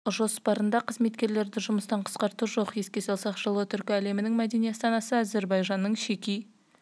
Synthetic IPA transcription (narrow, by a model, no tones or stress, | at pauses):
ʒo̞spɑɾənd̪ɑqʰəzme̞t̪kʲe̞ɾle̞ɾd̪ɪʒʊməst̪ɑɴqʰə̥sqɑɾt̪uʒo̞qje̞skʲe̞sɑlˠsɑqʒəlˠuət̪ʰʏɾkʲæle̞mɪnɪŋmæd̪e̞nijɑst̪ɑnɑsəæze̞ɾbɑjʒɑnːəɴʃe̞kʲij